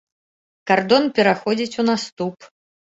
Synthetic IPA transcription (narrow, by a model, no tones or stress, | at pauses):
kard̪ɔnpʲɛɾaxɔd͡zʲit͡sʲunast̪up